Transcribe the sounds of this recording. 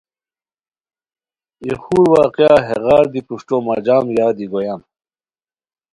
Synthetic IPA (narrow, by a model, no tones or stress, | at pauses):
ixuːɾwɑːqjaːɦeʁaːɾd̪ipuʂʈoːmɐ̰d͡ʑaːmjaːd̪iɡojam